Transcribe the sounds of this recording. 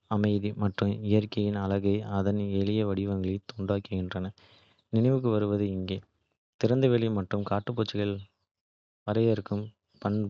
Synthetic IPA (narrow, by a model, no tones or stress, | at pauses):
ɐmɐɪðimɐʈrɯmɪjɐɾkɐjɪnɐlɐɣɐɪɐðɐnɛɭɪjɐʋɐɽɪʋɐŋɡɐɭɐt̪ʊɳɖaːkɯɣɪndrɐnɐ | nɪnɐɪʋɯk̬ːɯʋɐɾɯʋɐðɯɪŋɡeː | t̪ɪɾɐnd̪ɐʋɛɭimɐʈrɯmkaːʈːɯpːoːt͡ʃːɪɣɐɭ | ʋɐɾɐjɐɾɯkːɯm | pɐɳ